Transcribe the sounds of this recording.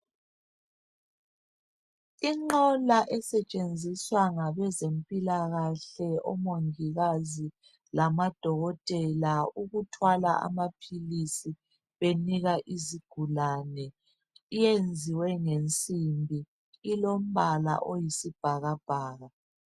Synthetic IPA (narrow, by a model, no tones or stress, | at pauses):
iŋ͡ǃɔlaʔɛsɛt͡ʃʼend͡zʱiswaŋaβɛzempʼilaɣaɬɛɔ̰moŋiɣazi | lamad̥ʱɔɣɔtʼɛlauɣutʰwala̰ʔa̰mapʰilisi | βeniɣaʔiziɡ̥ʱulanɛ | ijend͡zʱiwɛŋent͡sʼimbʱi | ilom̩bʱala̰ʔojisib̥ʱaɣab̥ʱaːɣa